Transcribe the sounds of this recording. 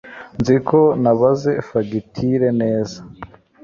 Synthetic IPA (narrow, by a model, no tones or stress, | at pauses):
nzikʰo̞naβaze̞faɡitʰiɾe̞ne̞ːza